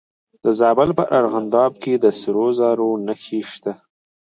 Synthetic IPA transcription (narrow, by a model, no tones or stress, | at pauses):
d̪əzɑbalpəʔaɾɣand̪ɑb̚ked̪əsɪɾozɑɾonəxiʃt̪a